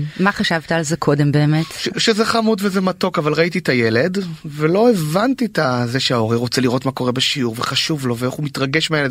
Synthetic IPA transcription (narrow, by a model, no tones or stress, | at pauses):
maχaʃavt̪aːlzekʰo̞de̞mbe̞ːmetʃʃezeχamudvezemato̞kavalʁait̬itaje̞le̞dvelo̞evantitazeʃeaoʁiʁo̞t͡seliʁo̞tmako̞ʁebeʃiuʁveχaʃuvlo̞veeχumitʁaɡeʃmejeed